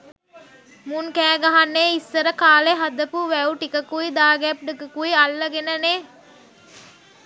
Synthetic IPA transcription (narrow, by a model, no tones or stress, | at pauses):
munkæːɡɐɦanːeːisːɐɾəkaːleɦɐd̪əpuʋæuʈikəkuid̪aːɡɛp̚ɖikəkuialːɐɡenəneː